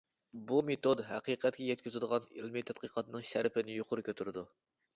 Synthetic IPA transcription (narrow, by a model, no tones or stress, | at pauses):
bumet̪od̪ɦæqiqʰɛt̪̚kʲʰɛjɛt̪̚kʲyzɪd̪əʁɑnḭlmɪt̪ʰæt̪̚qʰəqʰɑt̪nɨŋʃæɾpʰɪnɪjoqʰʊɾʊkʲʰøt̪ʰyɾɨd̪u